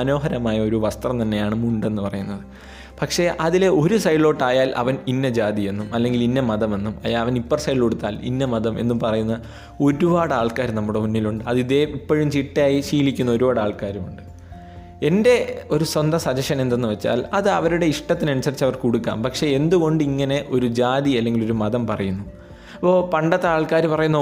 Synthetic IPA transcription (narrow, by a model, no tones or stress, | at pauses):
ɐno̞ːɦɐɾɐmaːjɐo̞ɾuʋɐst̪rɐmt̪ɐnːe̞jaːɳɨmuɳɖe̞nːɨpɐrɐjunːɐðɨ | pɐkʂe̞ʔɐðile̞ʔo̞ɾusɐjɭo̞ːʈːaːjaːlʔɐ̰ʋɐninːɐd͡ʑaːd̪ie̞nːumɐlːe̞ŋɡilinːɐmɐðɐme̞nːumɐ̰jaːlɐʋɐnipːorsɐjɭoɽut̪ːaːlḭnːɐmɐðɐmʔe̞̰nːupɐrɐjunːɐ | o̞ɾubaːɽaːɭkaːɾnɐmːuɽe̞munːiluɳɖɨɐðiðeipːo̞ɻumt͡ɕiʈːjaːjiɕiːlikʲːunːɐoɾubaːɽaːɭkaːɾumuɳɖɨ | e̞nde̞o̞ɾuswɐnd̪ɐsɐd͡ʑɐʂɐne̞nd̪enːɨʋɐt͡ɕːa̰ːlɐðɨɐʋɐɾuɽe̞iʂʈɐt̪ːinɐnusɐrit͡ɕːɐʋɐrkuɽukːa̰ːmpɐkʂe̞end̪uɣo̞ɳɖɨiŋːɐne̞ʔo̞ɾud͡ʑaːðiɐlːe̞ŋɡilo̞ɾumɐðɐmpɐrɐjunːu | pːoːpɐɳɖɐt̪ːeaːɭkaːɾupɐrɐjunːɐ